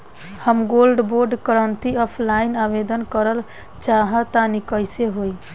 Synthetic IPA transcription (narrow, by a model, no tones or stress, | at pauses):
həmɡolɖboɾɖkəɾənt̪iɔpʰlainabed̪ənkəɾəl | t͡ʃaɦət̪anikəjseɦoj